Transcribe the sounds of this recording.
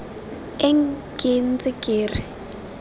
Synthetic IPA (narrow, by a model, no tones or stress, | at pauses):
ɛŋkʼɪnt͡sʼɪkʼeːrɪ